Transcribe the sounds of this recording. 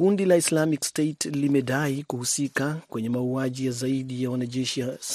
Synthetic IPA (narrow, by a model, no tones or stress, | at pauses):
undilaislamikstetlimɛɗaikuhusikakwɛɲɛmauaʄijazaiɗijawanaʄɛʃias